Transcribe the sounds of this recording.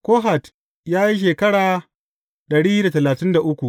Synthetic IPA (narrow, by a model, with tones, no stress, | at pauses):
koː˦ɦa˨t | jaː˦ji˦ʃ̬eː˨kɐ˦ɽaː˨ | ɗɐ˨ɽiː˦da˨tɐ˨laː˨tɪ˦nda˨ʔʊ˦kʷu˨ʔ